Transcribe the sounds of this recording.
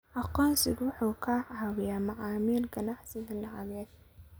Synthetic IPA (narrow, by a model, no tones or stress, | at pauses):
ʔɑqɔːnsɪɡwʊħuːkʰaːʕhɐwɪjaːmɑʕɑːmiːlɡɐnɑħsɪðɐlɐɦɐβɛːd̪̥